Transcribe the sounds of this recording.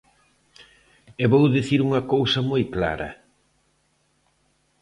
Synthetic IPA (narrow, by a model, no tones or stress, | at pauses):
eβowðiθiɾuŋɐkowsɐmojkla̰ɾɐ̰